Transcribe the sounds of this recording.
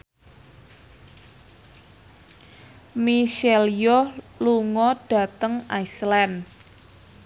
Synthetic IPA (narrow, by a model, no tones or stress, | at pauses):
miʃɛljo | luŋɔɖ̥a̤t̪əŋaislɛn